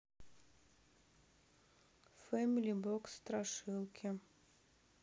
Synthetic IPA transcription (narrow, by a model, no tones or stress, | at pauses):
fɛmʲilʲibɔkst̪ɾaʂɨlˠkʲʰɪ